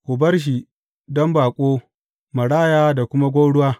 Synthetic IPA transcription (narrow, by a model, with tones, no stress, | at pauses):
ʔʊ˨bɐ˦rʃ̬i˨ | dɔ˦mbaː˨kʷʼoː˦ | mɐ˨ɽaː˦˨jaː˦da˨kʷʊ˦ma˦ɡʷo˦ɽʊ˦waː˦